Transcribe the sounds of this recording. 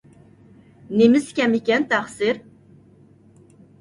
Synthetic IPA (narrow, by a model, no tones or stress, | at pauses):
nemɪskʲɛmikʲɛnt̪ʰæχsɪɾ